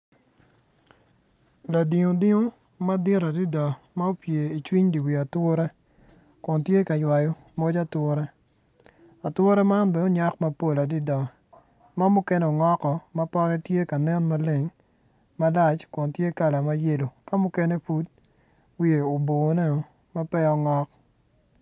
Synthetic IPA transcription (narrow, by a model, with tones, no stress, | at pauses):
la˨di˨ŋo˨di˦ŋo˦ | ma˦dɪ˦ɾa˨di˦dɔ˨ | ma˦o˦pje˨i˨t͡ʃwi˦ɲdi˨wi˨a˨two˦ɾɛ˦ | kʊ˨ntje˦ka˨jwa˨jo˨ | mo˦d͡ʒa˦twʊ˦ɾɛ˦ | a˨two˦ɾe˦ma˦nbe˨˦ɲa˦kmɐ˦po˦la˨di˦dɔ˨ | ma˦mʊ˦kɛ˦ne˦o˨ŋɔ˦kɔ˨mɐ˦pɔ˦kɛ˦tje˦ka˨nɛ˦nma˦le˦ŋ | ma˦la˦t͡ʃkʊ˨ntje˦ka˨la˨ma˦je˦lo˨ka˦mʊ˦ke˦ne˦fu˦t̚ | wi˨e˨o˨bo˨ne˦o˨ | ma˦pɛ˦ɔ˦ŋɔ˦k̚